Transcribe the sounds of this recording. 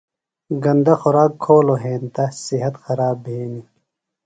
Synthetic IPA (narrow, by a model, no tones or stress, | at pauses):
ɡɐnd̪ɐxuɾaːkʰːoːloɦẽːnt̪ɐsiɦɐt̪xɐɾaːbʱiːni